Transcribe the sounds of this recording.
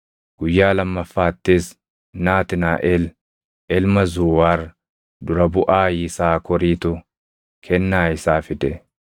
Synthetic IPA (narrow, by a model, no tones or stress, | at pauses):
ɡ̥ʊjːaːlɐmːɐfːaːt̪ːɪs | naːt̪ɪnaːʔɛl | ʔɛlmɐzuːwaːr | d̪ʊɾɐbʊʔaːjɪsaːkʰɔɾiːt̪ʊ | kʰɛnːaːɪsaːfɪd̪ɛ